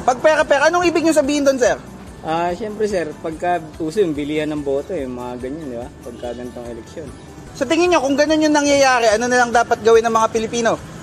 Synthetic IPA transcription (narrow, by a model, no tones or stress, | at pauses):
pɐɡ̚pɛːɾɐpɛɾɐʔɐnoŋʔiːbɪɡɲʊŋsɐbiːhɪnd̪onsɛɾ | ʔaʃɛmpɾɛsɛɾpɐɡ̚kɐʔuːsoʊŋbɪliːhɐnɐŋbo̞ːt̪o̞jʊŋmɐŋaɡɐɲand̪ɪbapɐɡ̚kaɡɐnt̪oŋɛlɛk̚sjon | sɐt̪ɪŋɪɲɲo̞kʊŋɡɐno̞njʊŋnɐŋjɐjaːɾɛʔɐno̞nɪlɐŋd̪aːpɐt̪̚ɡɐwɪnːɐŋmɐŋapɪlɪpiːno̞